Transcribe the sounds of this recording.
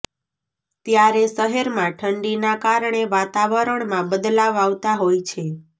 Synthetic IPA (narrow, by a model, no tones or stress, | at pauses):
t̪jaɾeʃəɦeɾmãʈʰəɳɖinakaɾɳeʋat̪aʋəɾəɳmãbəd̪laʋaʋt̪aɦojt͡ʃʰe